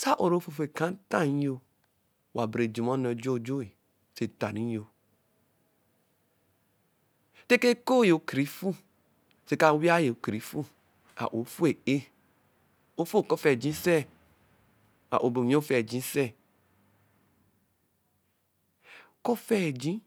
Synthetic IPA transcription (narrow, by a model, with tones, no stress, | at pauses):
sa˦ʔo˨ɾo˦fu˧˨fe˨kã˨˦n˦tã˦˨ĩ˦o˧ | wa˨bɾe˨d͡ʒi˨mɔ̃˦nɔ˧d͡ʒo˦˨d͡ʒo˦e˨ | se˨ta˨nĩ˨˦o˧ | te˦ke˦ko˦je˨o˨˦kɾi˨˦fu˦ | se˨˧ka˧˦wi˦a˦je˨o˨kɾi˨˦fu˦ | a̰˨ʔo˨˦fu˦e˨e˦ | o˦fu˦˨kɔ˦fɛ˦˨d͡ʒĩ˨˦sɛ˦ | a̰˨ʔo˨bo˨˦o˦fɛ˦˨d͡ʒĩ˨˦sɛ˦˨ | kɔ˦fɛ˦˨d͡ʒĩ˦